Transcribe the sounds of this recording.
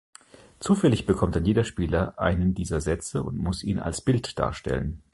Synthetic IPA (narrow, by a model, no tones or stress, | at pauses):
t͡suːfɛlɪçb̥əkʰɔmt̚d̥anjeːdɐʃpiːlɐʔa̰ɪnəndiːzɐzɛt͡səʊ̰ntmʊsʔiːna̰lsb̥ɪltd̥a̰ːɐʃtɛ̰lə̰n